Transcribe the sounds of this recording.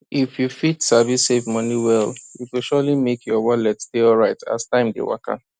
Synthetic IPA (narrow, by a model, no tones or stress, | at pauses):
ifjufitsavisevmɔniwɛljukilʃɔlimekʰjɔwɔlɛtsteɔlɹaɪtʰa̰stãɪ̃mdḛwa̰kã̰n